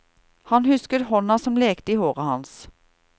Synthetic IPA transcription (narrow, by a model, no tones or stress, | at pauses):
hɑnhʉskəɾhɔnɑsɔmleːkt̪əiːhoːʁɑhɑns